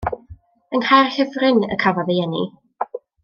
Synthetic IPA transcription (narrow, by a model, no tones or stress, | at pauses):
ənharhɛvrɪnə̰kʰavaðejɛnḭ